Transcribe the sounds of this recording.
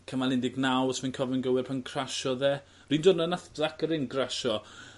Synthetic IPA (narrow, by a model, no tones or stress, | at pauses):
kʰəmalˠɪndɪɡnawsmankʰɔvɛnɡəwɛrpʰankʰraʃɔðɛː | riːndoːdnənaθblakəɾɪnɡraʃɔ